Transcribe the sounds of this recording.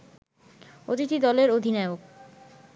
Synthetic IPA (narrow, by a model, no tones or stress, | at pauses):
o̰t̪it̪id̪ɔleɾod̪ʱinaeok̚